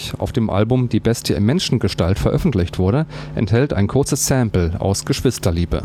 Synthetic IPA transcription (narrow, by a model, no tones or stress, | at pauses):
a̰ʊfd̥eːmʔa̰lbʊmdiːbɛstʰəɪmɛnʃn̩ɡəʃtaltfɛɐʔœfn̩tlɪçtv̥ʊɐɾəʔɛ̰nthɛlta̰ɪnkʰʊɐt͡səssɛmpl̩a̰ʊsɡ̥əʃv̥ɪstɐliːbə̰